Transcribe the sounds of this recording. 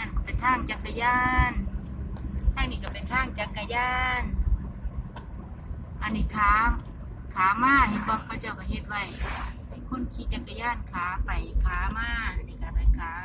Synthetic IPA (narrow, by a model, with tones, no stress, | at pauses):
a˧˨nkɔ˧˩pa˨jt̪ʰaː˧˥˩ŋt͡ɕa˨˧˩kːa˧jaː˧˥˩n | t̪ʰaː˧˥˨ŋniː˧˩ka˧˩pa˨˩jt̪ʰaː˧˥˩ŋt͡ɕa˨˧˩kːa˧jaː˧˥˩n | ʔa˧˨nːiː˧˩˨kʰaː˨˦ | kʰaː˨˦maː˧˩˨he˧˩t̪̚bɔː˧˨ŋkʰt͡ɕa˧˩˨wkɔ˧˩ɦe˧t̪̚wa˧˩j | a˧˩jkʰu˧˥˨nkʰiː˧˩t͡ɕa˧˩kːa˧jaː˧˥˨nkʰaː˨˦pa˨˩jkʰaː˨˦maː˧˥˨ni˧˩ka˧˩pa˧˩˨kʰaː˨˦